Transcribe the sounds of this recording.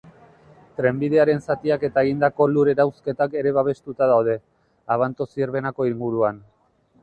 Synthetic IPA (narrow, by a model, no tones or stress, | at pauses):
t̪ɾe̞mbiðe̞aɾe̞nsat̪iake̞t̪aeɣind̪ako̞luɾe̞ɾawske̞t̪ake̞ɾe̞βaβ̞e̞st̪ut̪aðawð̞e̞ | aβ̞ant̪osieɾβe̞nako̞iŋɡuɾuan